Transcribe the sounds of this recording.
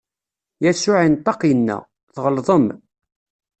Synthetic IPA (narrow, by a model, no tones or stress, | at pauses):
jæsʊʕint̪ˤːɑqjənːæ̰ | θʁəlðˤəm